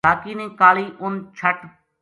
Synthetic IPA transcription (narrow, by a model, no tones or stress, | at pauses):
aːkiːnẽːkaːliːʔʊnt͡ʃʰəʈ